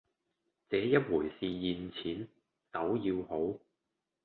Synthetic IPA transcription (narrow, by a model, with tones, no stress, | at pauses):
t͡sɛː˨˥jɐ˥t̚wuː˨˩jsiː˨jiː˨˩nt͡sʰiː˨˥n | t͡sɐ˨˥wjiː˧who˨˥w